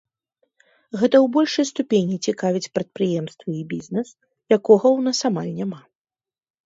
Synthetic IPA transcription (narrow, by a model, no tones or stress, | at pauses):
ɣɛt̪ɐwbɔlʲʂɐjst̪upʲenʲit͡sʲikavʲit͡sʲpɾɐt̪̚pɾɨjɛmst̪vɐibʲiznɛs | jakɔɣɐwnasamalʲnʲama